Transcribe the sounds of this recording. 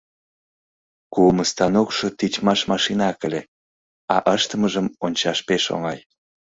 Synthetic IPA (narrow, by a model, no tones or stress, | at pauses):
kuməst̪ɑnokʃot̪it͡ɕmɑʃmɑʃinɑkəlʲe | ɑʔəʃt̪əməʒəmonʲt͡ɕɑʃpeʃo̰ŋɑj